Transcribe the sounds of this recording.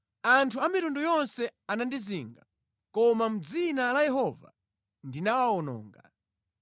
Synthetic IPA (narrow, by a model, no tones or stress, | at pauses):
antʰuamiɾundujɔnsɛanandiziŋɡa | kɔmam̩d͡zinalajɛɦɔva̰ | ndinawaɔnɔ̰ːŋɡa̰